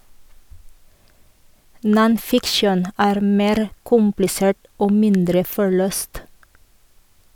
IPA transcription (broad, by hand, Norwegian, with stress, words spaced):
nɔnˈfɪkʃən ˈæːɾ ˈmeːɾ ˈkʊmplɪseːʈ ˈoː ˈmɪndɾə fɔˈɭøːst